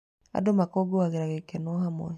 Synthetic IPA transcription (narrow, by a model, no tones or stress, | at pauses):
a̰domakɔɡoaɣeɾaɣekɛnɔɦamɔ̰